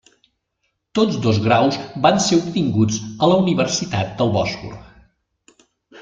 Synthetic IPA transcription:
t̪od͡zd̪ozɣɾawsbanseupt̪iŋɡud͡zələuniβ̞ərsit̪at̪̚d̪əlˠβɔsfṵr

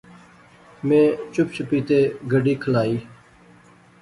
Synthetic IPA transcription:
mẽːt͡ʃʊp̚t͡ʃʊpiːt̪eːɡʱəɖiːkʰəlaːiː

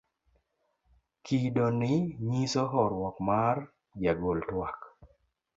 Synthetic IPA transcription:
kidonɪɲisɔɦɔɾwɔkmar | d͡ʒaɡoltwak

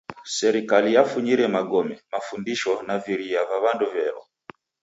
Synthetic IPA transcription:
sɛɾikalijafuɲiɾɛmaɡɔmɛmafundiʃɔnaviɾiavaβanduvɛɾɔ̰

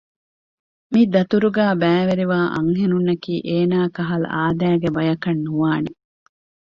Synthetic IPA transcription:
mid̪ɐt̪uɾuɡæːbæːʋeɾiʋaːʔɐ̰ŋɦenunːɐkiːʔeːnaːkɐɦɐlɐ̰ʔaːd̪æːɡebɐjɐkɐnːuʋaːne

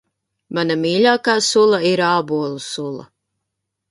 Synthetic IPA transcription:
manamiːlʲaːkaːsulˠaiɾaːbuɔlˠusulˠɐ̰

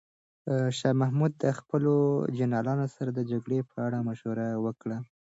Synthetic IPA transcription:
ʃɑmahmud̪̚ːəxpəlod͡ʒanɑlɑnosaɾad̪əd͡ʒaɡɽepʰəaɽamaʃhuɾawəkɽa

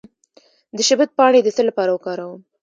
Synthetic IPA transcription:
d̪əʃɪbət̪̚pɑɽ̃ed̪əsəlːapɑɾawəkɑɾawum

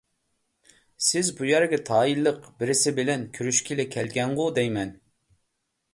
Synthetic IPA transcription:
sɪzbujæɾɡʲɛt̪ʰɑːilˠːəqbɪɾɪsɪbɪlɛnkʲʰyɾyʃkʲilɪkʲʰɛlɡʲɛɴʁʊd̪ɛjmɛn

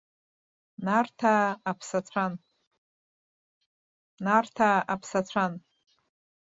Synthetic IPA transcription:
nartʰaːpʰsat͡ɕʷʰan | nartʰaapʰsat͡ɕʷʰan

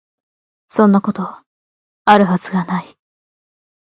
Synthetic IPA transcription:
sõ̞nːako̞t̪o̞a | aɾɯ̟ɦat͡sɨɡanai

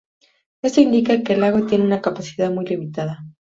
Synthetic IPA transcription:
e̞st̪o̞ind̪ikakeːlaɣot̪je̞neunakapasiðaðmujlimit̪aða

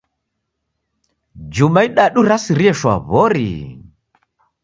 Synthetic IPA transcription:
d͡ʒumaiɗaɗuɾasiɾiɛʃwa̰βɔɾḭ

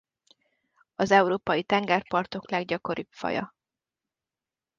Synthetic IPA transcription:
ɒzɛuɾoːpɒjit̪ɛŋɡaːrpɒrt̪o̞klɛɡɟɒko̞ɾyːbfɒ̰jɒ̰

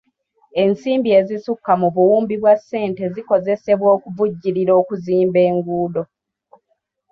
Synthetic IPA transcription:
e̞nsiːmbie̞zisukːamuβuwuːmbiβwasːe̞ːnte̞ziko̞ze̞se̞βwo̞ːkuvuɟːiɾiɾo̞ːkuziːmbe̞ːŋɡuːdo̞

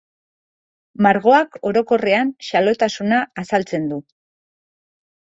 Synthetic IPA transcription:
maɾɣ̞o̞ako̞ɾo̞ko̞re̞anʃalo̞t̪asunaːsalt͡se̞nd̪u

